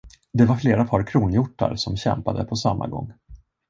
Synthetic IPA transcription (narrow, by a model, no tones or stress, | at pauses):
d̪ɛvaɾfleːɾapʰɑɾkʰɾuːnjʊʈːa̰ɾsɔmɕɛ̰mpad̪ə̰pʰɔsamːa̰ɡɔ̰ŋː